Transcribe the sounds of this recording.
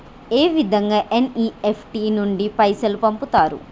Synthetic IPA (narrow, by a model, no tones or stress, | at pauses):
eːʋid̪ʱɐŋɡaːʔeniːepʰʈiːnuɳɖipɐjsɐlupɐmput̪aːɾṵ